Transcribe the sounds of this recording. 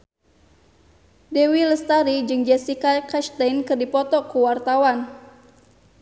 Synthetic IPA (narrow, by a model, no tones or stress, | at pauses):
dewiləst̪aɾid͡ʒɨŋd͡ʒɛsikakaʃt̪ajnkɨrdipɔt̪ɔkuwart̪awan